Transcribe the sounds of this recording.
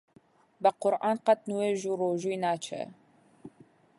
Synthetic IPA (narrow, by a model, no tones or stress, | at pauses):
bɛqʊɾʔɑːnqɑt̪̚nuweːʒuroːʒujnaːt͡ʃʰɛ̰